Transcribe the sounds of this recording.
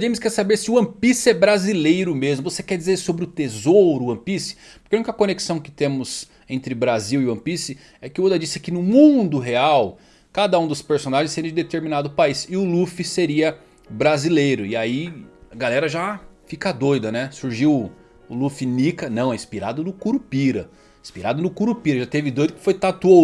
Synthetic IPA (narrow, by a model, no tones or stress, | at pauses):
d͡ʒẽj̃mɪskɛɾsabeɾsɪʊɐ̃pisɪɛbɾazilejɾʊmezmʊvosekɛɾd͡ʒizeɾissobɾɪʊt̪ezoɾʊɐ̃pisɪ̥ | pʊɾkeũnʲikɐkõneksɐ̃w̃kɪ̥t̪ẽmʊz | ẽnt̪ɾɪbɾaziwɪuɐ̃pisɪ | ɛkɪod̪ɐd͡ʒisɪkɪnʊmũd̪ʊɦeaw | kad̪ɐũd̪ʊspeɾsonaʒẽjseɾĩɐd͡ʒɪd̪et̪eɾminad̪ʊpaisɪʊlufɪseɾiɐ | bɾazilejɾʊɪaiaɡalɛɾɐʒafikɐd̪ojd̪ɐnɛsuɾʒiw | ʊlufɪnikɐnɐ̃w̃ɛĩspiɾa̰d̪ʊnʊkuɾupiɾɐ | ĩspiɾad̪ʊnʊkuɾupiɾɐʒat̪evɪd̪ojd̪ʊkɪ̥fojt̪at̪uo